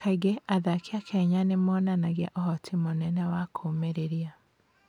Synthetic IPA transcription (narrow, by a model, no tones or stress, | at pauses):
aiɡeʔaðakeakʰɛɲanemɔnanaɣaʔɔhɔtʰimonɛnɛwakʰomeɾeɾia